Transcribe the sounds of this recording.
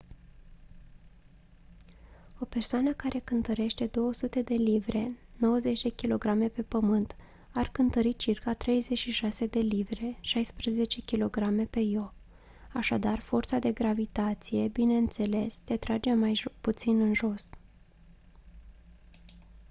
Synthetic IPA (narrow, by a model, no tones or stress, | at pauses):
o̞pe̞rsoanəkaɾʔe̞kɨnt̪əɾe̞ʃt̪e̞d̪o̞wəsut̪e̞d̪e̞livɾe̞no̞wəze̞t͡ʃʲd̪e̞kʲilo̞ɡɾame̞pe̞pəmɨnt̪ | arkɨnt̪əɾit͡ʃirkat̪ɾe̞jze̞t͡ʃʲʃiʃase̞d̪e̞livɾe̞ʃajspɾeze̞t͡ʃe̞kʲilo̞ɡɾame̞pe̞jo̞ | aʃad̪arfort̪sad̪e̞ɡɾavit̪at̪sije̞bine̞ɨnt̪se̞le̞st̪et̪ɾad͡ʒe̞majput̪sinɨnʒo̞s